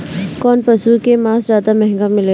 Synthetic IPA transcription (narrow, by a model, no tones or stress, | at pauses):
kɔːnpɐsuːkemãːszaːd̪amɛɦŋɡamɪle